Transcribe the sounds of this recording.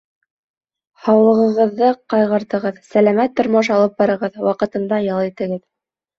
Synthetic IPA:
hɑwlˠɤ̆ʁɤ̆ʁɤ̆ðːɤqɑjʁɤ̆ɾt̪ɤ̆ʁɤðsælæmæt̪ːŏɾmoʃ̬ɑlˠɤp̚bɑɾɤ̆ʁɤðwɑqɤ̆t̪ɤ̆nd̪ɑjɑlˠit̪ɘ̆ɡɘð

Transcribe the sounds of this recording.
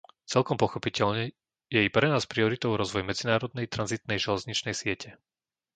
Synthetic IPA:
t͡sɛlkɔmpɔxɔpicɛʎɲɛ | jɛipɾɛnaːspɾiɔɾit̪ɔʊɾɔzʋɔjmɛd͡zinaːɾɔd̪nɛjt̪ɾanzit̪nɛjʒɛlɛzɲit͡ʃnɛjsɪɛcʰɛ

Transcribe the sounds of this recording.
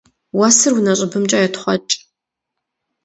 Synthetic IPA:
wɐsɨrwunɐɕʼɐbɨmt͡ʃʼajɛtχʷɔt͡ʃʼ

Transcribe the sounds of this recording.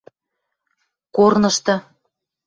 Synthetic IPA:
kornɤ̆ʃt̪ɤ̆

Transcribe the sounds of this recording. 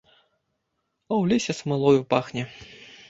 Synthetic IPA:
ɐwlʲisʲɐsmɨlˠɔjupaxnʲɛ

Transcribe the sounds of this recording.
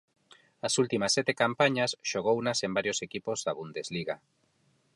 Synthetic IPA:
asult̪imasɛt̪ekampaɲasʃoɣ̞ownasembaɾjosekipozðaβund̪ezliɣa

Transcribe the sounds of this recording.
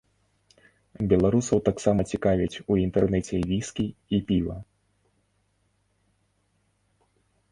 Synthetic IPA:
bʲɛlˠaɾusɐwt̪aksamɐt͡sʲikavʲit͡sʲuint̪ɛrnɛt͡sʲɛvʲiskʲiipʲivɐ̰

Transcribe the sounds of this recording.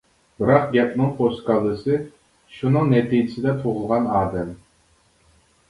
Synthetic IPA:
bɨɾɑqɡʲɛp̚nɨŋpʰost̪kɑlˠːɨsɨ | ʃunɨŋnɛt̪ʰid͡ʒɪsɪd̪ɛt̪ʰuʁʊlˠʁɑnɑːd̪ɛm

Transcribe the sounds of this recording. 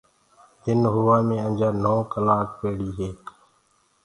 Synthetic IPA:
t̪ɪnɦʊʋaːmẽːənd͡ʒaːnoːkəlaːk̚peːɽiːɦeːk

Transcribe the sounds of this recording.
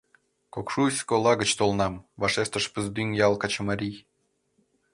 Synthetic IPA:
kokʃusʲkolˠɑɣət͡ɕt̪olnɑmvɑʃest̪əʃpəzd̪ynjɑlˠkɑt͡ɕəmɑɾʲij

